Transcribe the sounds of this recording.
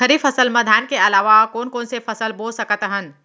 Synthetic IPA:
əɾifəsəlmɐd̪ʱaːnkeɐlaːʋakoːnkoːnsefɐsəlboːsɐkət̪ɦən

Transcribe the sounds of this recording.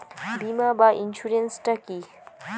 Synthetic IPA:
bimaːbaːʔinʃuɾensʈɐki

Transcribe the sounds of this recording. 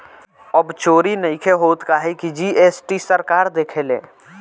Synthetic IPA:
əbt͡ʃoːɾinəɪkʰeɦoːt̪kaɦɛkid͡ʒiːʔeːsʈisəɾkaːɾd̪eːkʰelḛ̃ː

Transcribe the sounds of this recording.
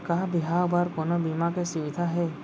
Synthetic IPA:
kaɦbiɦabaɾkɔnɔbimakɛsibit̪ʰaɦɛ

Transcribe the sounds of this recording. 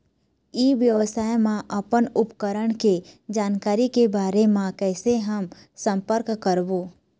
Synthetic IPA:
iʋjəʋəsaːjmãʔəpənʊpkəɾəɽ̃ked͡ʒaːnkaːɾikebaːɾemãkɛːseɦəm | sə̃mpəɾkkəɾboː

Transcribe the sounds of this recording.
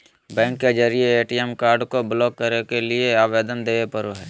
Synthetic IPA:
bɛ̃ːŋkːed͡ʒəɾieeːʈiɛmkaːɾɖkoblɔːkːəɾekelieaːʋeːd̪ənd̪eːʋepəɾoɦɛː

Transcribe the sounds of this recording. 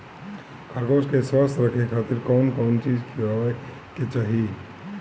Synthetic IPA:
kʰɐɾkoːskeswaːst̪ʰɾəkʰekʰaːt̪ɪɾkɔːnkɔːnt͡ʃiːd͡ʒkiae | ket͡ʃaːɦi

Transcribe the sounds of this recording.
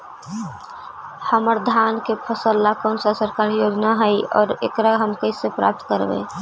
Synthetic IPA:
həməɾd̪ʱankepʰəsəlːakɔːnsasəɾkaːɾjod͡ʒnaɦəjɔ̰ːɾḛkɾaɦəmkəɪsepɾa̰ːp̚t̪kəɾbḛ

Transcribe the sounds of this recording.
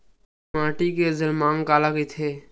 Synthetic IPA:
mãːʈikezəlmaːŋkaːlakit̪ʰeː

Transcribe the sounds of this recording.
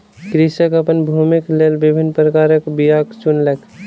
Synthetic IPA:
kɾisəkəpənbʱumiklelbɪbʱinːpɾəkaːɾəkbijakt͡ʃunlek

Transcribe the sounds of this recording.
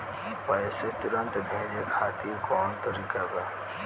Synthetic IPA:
pəjset̪ʊɾə̃nt̪bʱẽːd͡ʒekʰaːt̪iɾkɔːnt̪əɾikaɡa

